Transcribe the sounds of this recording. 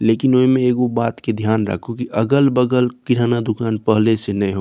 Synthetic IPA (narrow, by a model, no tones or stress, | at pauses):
leːkɪnoːimẽeːɡobaːt̪ked̪ʱjaːnɾə̰kʰokiʔɐɡəlbəɡəlkɪɾaːnad̪ʊkaːnpəɦlesenɐĩɦoː